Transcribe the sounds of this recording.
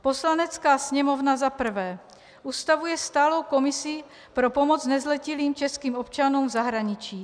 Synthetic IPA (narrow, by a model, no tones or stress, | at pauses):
po̞slanɛt͡skaːsɲɛmo̞vnazapr̩vɛː | ʔust̪avujɛst̪aːlo̞wko̞mɪsɪ | pɾopo̞mot͡snɛzlɛciliːmt͡ʃɛskiːmopt͡ʃanuːmvzaɦɾaɲɪt͡ʃiː